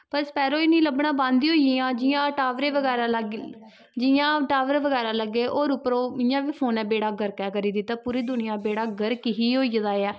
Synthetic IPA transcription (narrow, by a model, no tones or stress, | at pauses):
pəɾspɛːɾoːiːnĩːləbɳãːbãːnd̪iːɦoːiiãːd͡ʒɪjãːʈaːʋɾeːʋəɡɛːɾaːləɡ | d͡ʒɪjãːʈaːʋəɾeːʋəɡɛːɾãːləɡːeːʔoːɾʊpəɾoːɪjãːʋiːpʰoːnɛːbeːɽaːɡəɾkɛːkəɾiːd̪iːt̪ãːpuːɾiːd̪ʊnɪjãːbeːɽaːɡəɾkɪɦiːɦoːid̪aːeːɛː